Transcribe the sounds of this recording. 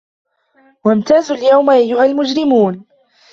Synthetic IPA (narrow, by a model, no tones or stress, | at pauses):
wamt̪aːzʊljawmʔajːʊhalmʊd͡ʒɾɪmuːn